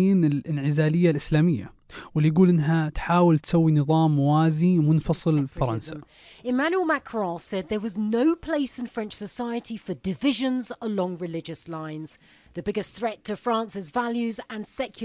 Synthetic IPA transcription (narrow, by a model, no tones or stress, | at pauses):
iːnɪlɪnʕɪzaːlɪjːalʔɪslaːmɪjːa̰wɪlːijɡuːlʔɪnːɦat̪ħaːwɪlt̪sawːinɨðˤɑːmwaːzimʊnfɑsˤɨlfɑɾˤɑnsa | ɪmãnjuəlˠmakʰɹɔ̃sɛd̪̚ðəwɒznəʊpʰl̥eɪsɪ̃nfɹɛ̃nt͡ʃsəsaɪətifədɪvɪʒə̃nzəlɒ̃ŋɹɪlɪd͡ʒəslãɪ̃nz̥ | ðəbɪɡɪsθɹɛtʰəfɹɑ̃ˑnsɪzvaljʉzə̃nsɛkʰj